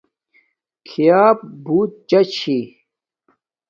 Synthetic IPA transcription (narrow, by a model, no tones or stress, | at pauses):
kʰijaːp̚buːt̪̚t͡ɕɐt͡ɕʰi